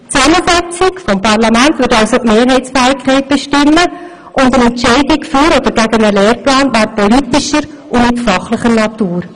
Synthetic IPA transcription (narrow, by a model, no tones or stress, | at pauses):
t͡sɛməsɛt͡sɪkfɔmpʰɑɾlɑmæntʋʏɾtɑlsotmeːɾɦɛɪsfɛːɪkʰχɛɪt̚b̥eʃtɪmːə | ʔʊndənɛntt͡ʃɛɪdɪkfyɾɔd̥̪əɾɡæɡənəlɛːɾplaːnʋæɾpɔlitɪʃəɾ | ʔʊnɪtfɑχləχəɾnɑt̪uːɾ